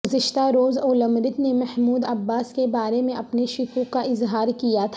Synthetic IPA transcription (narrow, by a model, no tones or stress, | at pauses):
ʊzɪʃt̪aɾoːzoːlə̃mɾɪt̪nemɛhmuːd̪ɐbːaːskebaːɾemẽʔɐpneʃʊkukaʔɪzɦaːɾkijat̪ʰ